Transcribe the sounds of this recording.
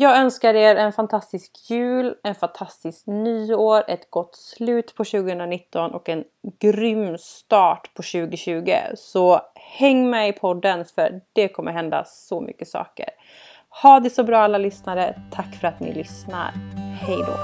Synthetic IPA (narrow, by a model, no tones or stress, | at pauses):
jɑːɡœnskaɾeːɾɛnfant̪ʰast̪ɪskjʉ̟ːlɛnfant̪ʰast̪ɪsknyːoːɾɛt̪ɡ̥ɔt̪ːslʉ̟ːt̪pʰɔɕʉ̟ːɡəhɵnɾanɪt̪ːɔnʔɔkɛn | ɡ̥ɾʏmːst̪ɑːʈpʰɔɕʉ̟ːɡʊɕʉ̟ːɡə̰sɔhɛŋːmɛjɪpʰɔd̪ːənfœɖ̥ɛkʰɔmːəɾɦɛnd̪a̰sɔmʏ̰kːəsɑ̰ːkə̰ɾ | hɑːd̪ɪsɔbɾɑːalːalʏsnaɾət̪ʰakːfœɾat̪nɪ̰lʏsna̰ɾhɛjd̪o̰ː